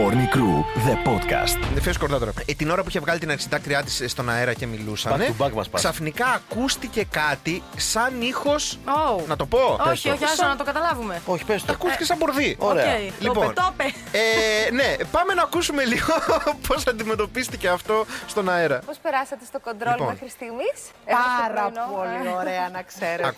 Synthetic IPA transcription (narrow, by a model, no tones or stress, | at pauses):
oɾnikɾuðepot̪kɐ̰st̪feskoɾðɐt̪oɾɐ̰t̪ino̞ɾɐp̬uiçevɣɐlit̪inɐksit̪ɐkɾiɐt̪isst̪o̞nɐeɾɐce̞milusɐ̰nebɐɡmɐ̰spɐksɐfnikɐːkust̪ice̞kɐt̪isɐnixo̞sonɐt̪o̞po̞oçosonɐt̪oɡɐt̪ɐlɐvumeoçi̥pesɐkust̪icesɐboɾðioɾeeɐilipont̪ope | ene̞pɐme̞nɐːkusume̞liɣo̞pʰo̞sɐnd̪ime̞t̪o̞pist̪ice̞ɐft̪o̞st̪o̞nɐeɾɐpospeɾɐsɐt̪est̪oko̞nd̪ɾolpomenxɾist̪imit͡s | eoɾɐolioɾeɐnɐkseɾe